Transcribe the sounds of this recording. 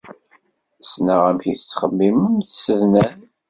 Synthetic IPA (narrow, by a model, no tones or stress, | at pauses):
snəʁæmçiθət͡sːχəmːiməmθsəðnæn